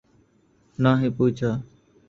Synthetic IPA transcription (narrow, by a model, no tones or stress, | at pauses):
naːɦĩːpuːt͡ʃʰaː